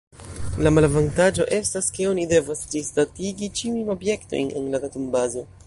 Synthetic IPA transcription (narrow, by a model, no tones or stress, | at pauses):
lamalavantad͡ʒo̞ʔe̞staske̞o̞nide̞vasistatiɡit͡ʃiujno̞bje̞kto̞̰jne̞̰nlatatumbazo̞